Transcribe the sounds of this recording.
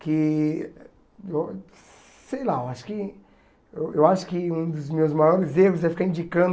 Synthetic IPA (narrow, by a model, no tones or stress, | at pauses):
kɪ | ew | sejlaewaʃʊ̥kɪ | ewewaʃʊ̥kɪũd̪ʊzmewzmajɔɾɪzeɦʊzɛfi̥kaɾĩd͡ʒikɐ̃nd̪